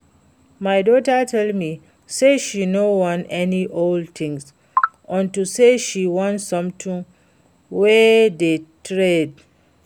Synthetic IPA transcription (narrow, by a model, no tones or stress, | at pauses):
majdɔtətʰɛldmi | seʃinowɔ̃nɛniʔoldt̪ʰĩŋs | ʔɔ̃ntuseʃiwɔ̃ntsʌ̃mtʰĩŋ | wɛdetʰɹed